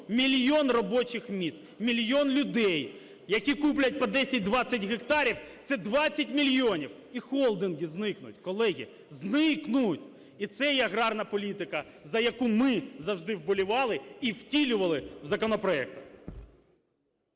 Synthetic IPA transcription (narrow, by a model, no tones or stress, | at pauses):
mʲilʲjɔnrɔbɔt͡ʃɪxmʲist̪mʲilʲjɔnlʲʊd̪ɛj | jɐkʲikuplʲɐt̚ʲpɔd̪ɛsʲɐt̚ʲd̪ʋɑt͡sʲːɐtʲɣekt̪ɑɾʲiwt̪sɛd̪ʋɑt͡sʲːɐtʲmʲilʲjɔnʲiw | ixɔlˠd̪ɪnɡʲiznɪknʊ̰tʲkɔlˠɛɣʲḭ | znɪknʊtʲ | it̪sɛjɛɐɣɾɑrnɐpɔlʲit̪ɪkɐ | zɐjɐkumɪzɐwʒd̪ɪwbɔlʲʊʋɑlˠɪiwtʲilʲʊʋɐlˠɪwzɐkɔnɔpɾɔɛkt̪ɐx